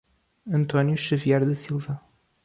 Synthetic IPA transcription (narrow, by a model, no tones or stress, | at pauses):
ɐ̃nt̪ɔnjuʃɐviaɾðɐsilˠvɐ